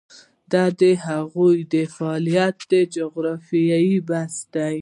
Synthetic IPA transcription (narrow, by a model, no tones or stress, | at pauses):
d̪ɑd̪əɦaɣujd̪əfaɑlijat̪̚d̪əd͡ʒʊɣɾɑfijajibasd̪aj